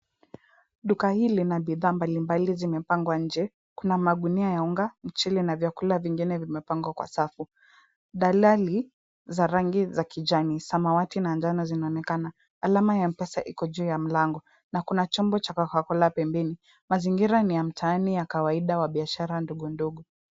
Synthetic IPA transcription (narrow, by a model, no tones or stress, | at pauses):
ɗukahilinaɓiðaːmbalimbalizimɛpaŋɡwaɲ̩d͡ʒɛ | kunamaɠuniajauŋɡam̩t͡ʃilinavjakulaviŋɡinɛvimɛpaŋɡwakwa̰safu | ɗalali | zaɾaŋɡizakid͡ʒanisamawatinand͡ʒanɔzinaɔnɛkanaː | lamajam̩pɛsaʔḭkɔʄuːjam̩laŋɡɔ | nakunat͡ʃɔmbɔt͡ʃakakakɔlapɛmbɛni | maziŋɡiɾanijam̩tʰaːnijakawaiɗawaɓiaʃaɾanduɠunduɡu